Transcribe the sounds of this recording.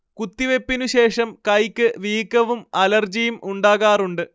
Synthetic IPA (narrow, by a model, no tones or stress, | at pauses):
kut̪ːiʋe̞pːinuɕe̞ːʂɐmkɐjkʲːɨʋiːkːɐʋumɐlɐrd͡ʑijumuɳɖaːɣaːruɳɖɨ